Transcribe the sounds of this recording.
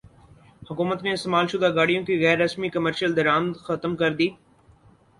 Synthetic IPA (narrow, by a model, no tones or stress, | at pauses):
hʊkuːmət̪nẽːɪst̪emaːlʃʊd̪aɡaːɽijõkiɣɛːɾːɐsmikɐməɾʃəld̪ɐɾaːmt̪xɐt̪mkɐɾd̪iː